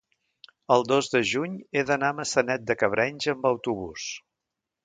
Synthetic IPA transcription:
əlˠd̪ozðəʒuɲeðənaməsənɛt̪̚d̪əkəβ̞ɾʔɛɲʲʒəəmbəwt̪uβus

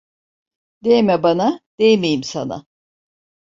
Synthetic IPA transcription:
d̪̥ejmɛbanad̪̥ejmejimsana̰

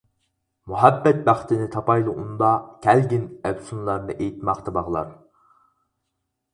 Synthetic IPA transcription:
muɦæbːɛt̪̚bæχt̪ʰɪnɪt̪ʰɑpɑjlˠɨʔund̪ɑkʲʰælɡʲinæbsunlˠɑɾnɨʔejt̪mɑqt̪ʰɑbɑʁlˠɑ̰ɾ

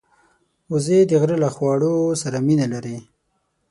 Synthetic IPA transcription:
ʊzed̪əɣɾəlaxwɑɽosaɾaminalaɾi

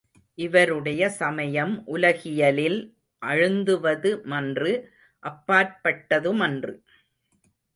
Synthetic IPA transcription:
ʔɪʋɐɾɯɽɐjɐsɐmɐjɐmʔʊlɐɣɪjɐlɪl | ʔɐɻɯnd̪ɯʋɐðɯmɐndrɯ | ʔɐpːaːɾpɐʈːɐðɯmɐndrɯ

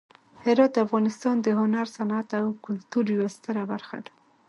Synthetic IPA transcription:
hɪɾɑt̪̚d̪əafɣɑnɪst̪ɑnd̪əɦʊnaɾsanat̪awkʊlt̪uɾjwast̪əɾabaɾxa̰d̪ḁ

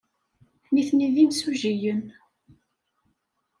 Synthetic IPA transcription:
niθniðimsuʒijən

